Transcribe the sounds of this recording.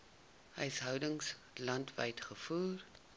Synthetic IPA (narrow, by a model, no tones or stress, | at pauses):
ɦəjsɦœwdəŋs | lɐntvə̰jtχəfuːr